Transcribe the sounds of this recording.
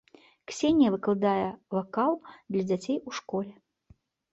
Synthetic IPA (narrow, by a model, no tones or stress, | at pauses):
ksʲenʲjɐvɨklˠɨd̪ajɛvakalˠd̪lʲɐd͡zʲat͡sʲejuʂkɔlʲɛ